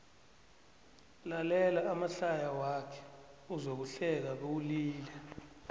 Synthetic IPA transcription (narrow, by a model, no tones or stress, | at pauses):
lalɛlaamaɬajawakʰɛ̥uzok̬uɬɛk̬aɓ̬ouliːlɛ